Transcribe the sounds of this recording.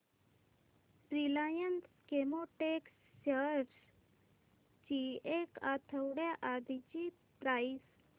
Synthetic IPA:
pɾilajənt̪ | kemoʈeksːəɾs | t͡ɕiekat̪ʰəwɽaʔad̪ʱit͡ɕi | pɾajs

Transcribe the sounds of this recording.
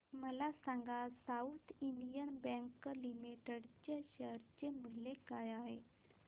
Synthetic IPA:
məlasãŋɡasaut̪ʰinɖijənbɛ̃ŋklimiʈeɽt͡ɕeɕəɾt͡ɕemilekajaɦe

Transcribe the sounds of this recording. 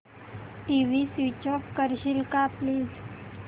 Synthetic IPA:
ʈiʋisut͡ɕɔkkːəɾɕilkapli

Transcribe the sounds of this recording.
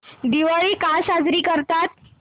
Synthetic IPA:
d̪iʋaɭikasad͡zɾiːkəɾt̪at̪̚

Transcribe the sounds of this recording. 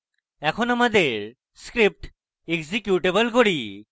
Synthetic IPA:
ɛkʰonamad̪eɾ | skɾip̚ʈ | eɡzekjuʈebəlkoɽi

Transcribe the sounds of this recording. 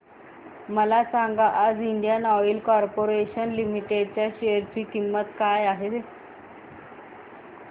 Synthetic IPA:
məlasaŋɡaʔad͡ziɳɖijanɔʋilkɔɾpoɾeɕənlimiʈeɖt͡ɕjaɕeəɾt͡ɕiːkimːət̪kajaɦe

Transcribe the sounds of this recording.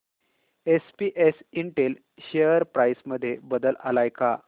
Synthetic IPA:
espiʔesiɳʈel | ɕeəɾpɾajsməd̪ʱːjebəd̪əla̰lajka

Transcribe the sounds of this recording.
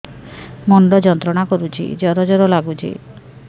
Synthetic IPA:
mɔɳɖɔd͡ʒɔnt̪ɾɔɽakɔɾut͡ʃʰḭd͡ʒɔɾɔd͡ʒɔɾɔlaɡut͡ʃʰḭ

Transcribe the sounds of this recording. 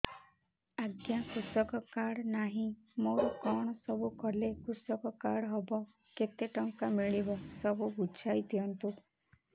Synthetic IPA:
aɡjakusɔkɔkaɽnaɦĩ | moɾɔkɔɽ̃ɔsɔbukɔlekusɔkɔkaɽɦɔbɔ | ket̪eʈɔŋkamiɭibɔsɔbubud͡ʒʰʱajt̪iɔnt̪u

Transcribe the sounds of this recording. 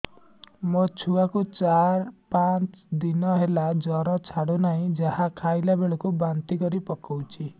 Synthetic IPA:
mot͡ʃʰuakut͡ʃaɾpat͡ʃd̪inɔɦelad͡ʒɔɾɔt͡ʃʰaɽonaĩd͡ʒaɦakʰajlabeɭɔkubant̪ikɔɾipɔkawt͡ʃʰi

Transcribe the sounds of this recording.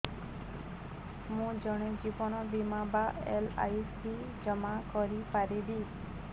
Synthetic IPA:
mũd͡ʒɔɽ̃ukipɔñɔbimabaela̰jsi | d͡ʒɔmakɔɾipaɾibi

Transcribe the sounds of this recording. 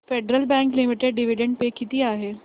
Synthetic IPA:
feɖɾəlbɛ̃ŋklimiʈeɖɖiʋiɖeɳɖ̚pekit̪iːaɦeː

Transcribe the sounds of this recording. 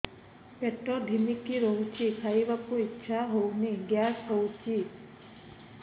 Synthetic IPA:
peʈɔɖʱimikiɾɔɦut͡ʃʰikʰajbakuitːʃʰaɦowniɡjasɦowt͡ʃi

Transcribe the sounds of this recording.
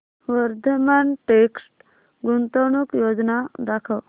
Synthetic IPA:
ʋəɾd̪ʱəmanʈeksʈ | ɡunt̪oɳ̃ukjod͡znad̪akʰəw

